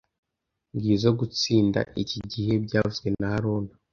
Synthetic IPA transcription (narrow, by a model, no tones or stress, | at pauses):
ŋɡiːzoɡut͡siːnda̰ʔiciɟihe̞bɟaːvuɡenahaɾoːna